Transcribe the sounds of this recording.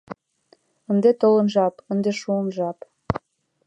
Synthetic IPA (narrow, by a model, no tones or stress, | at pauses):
ənd̪et̪olə̆nʒɑpənd̪eʃuənʒɑp